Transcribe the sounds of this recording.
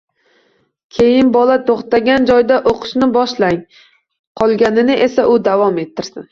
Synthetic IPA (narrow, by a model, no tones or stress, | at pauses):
kʲʰe̞jɪnbɒlat̪ʰoχt̪aɡʲand͡ʒɒjd̪aʔoqʰɨ̥ʃnɪbɒʃlaŋ | qʰɒlˠɡʲanɪnɪʔesaʔʊd̪avɒme̞t̪ʰːɪɾsɪn